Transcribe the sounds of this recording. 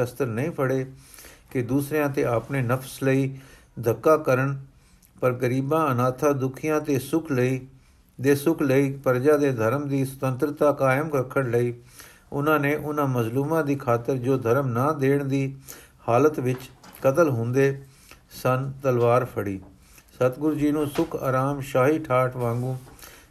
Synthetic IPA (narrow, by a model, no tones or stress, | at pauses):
əst̪əɾnəĩːpʰəɽeːkɪd̪uːsɾejãːt̪eːaːpneːnəpʰsləiː | d̪ʱəkːaːkəɾəɳ | pəɾɡəɾiːbãːənaːt̪ʰaːd̪ʊkʰijãːt̪eːsʊkʰləiː | d̪eːsʊkʰləiːpəɾd͡ʒãːd̪eːd̪ʱəɾmd̪iːsə̥t̪ə̃nt̪ɾt̪aːkaːɪmkəkʰːəɳləiː | ʊnãːnẽːʔʊnãːməzluːmãːd̪iːkʰaːt̪əɾd͡ʒoːd̪ʱəɾmnaːd̪eːɳd̪iː | haːlət̪ʋɪt͡ʃkət̪əlɦʊ̃nd̪eː | sənt̪əlʋaːɾpʰəɽiː | sət̪ɡʊɾd͡ʒiːnũːsʊkʰa̰ːɾaːmʃaːɦiːʈʰaːʈʰʋãːŋɡũː